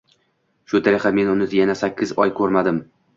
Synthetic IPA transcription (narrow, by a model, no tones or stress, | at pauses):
ʃʊt̪ʰaɾɪχame̞nʊnɪd̪ajanasakʲʰːɪzɒjkʰɵɾmad̪ɪm